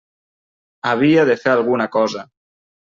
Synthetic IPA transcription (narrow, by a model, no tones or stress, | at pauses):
aβ̞iaðefeɾalˠɣunakɔza